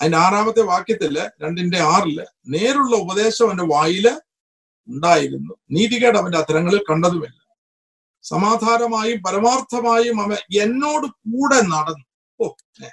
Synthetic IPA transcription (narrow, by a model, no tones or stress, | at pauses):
ɐðindeaːraːʋɐt̪ːe̞ʋaːkjɐt̪ːilːɐɾe̞ɳɖinde̞aːrilːɐ̰ | ne̞ːɾuɭːɐubɐðe̞ːɕɐmɐndeʋaːjilɐ | uɳɖaːjiɾunːuniːðiɣeːɽɐʋɐndeɐd̪ʱɐɾɐŋːɐɭilkɐɳɖɐðumilːɐ | sɐ̰maːd̪ʱaːɾɐmaːjumpɐɾɐmaːrt̪ʰɐmaːjumɐʋɐe̞nːo̞ːɽɨk̚uːɽe̞nɐɽɐnːu | oː | ne